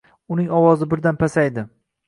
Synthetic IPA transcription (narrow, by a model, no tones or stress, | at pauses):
ʊnɪŋɒwɒzɪbɪɾd̪anpʰasajd̪ɪ